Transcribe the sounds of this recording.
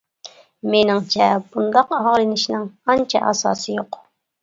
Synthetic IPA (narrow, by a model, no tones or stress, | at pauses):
mɪnaŋt͡ʃapʊnd̪ɑqɑɑɾɪnɪʃnaŋant͡ʃa̰ʔa̰sa̰sɪjoq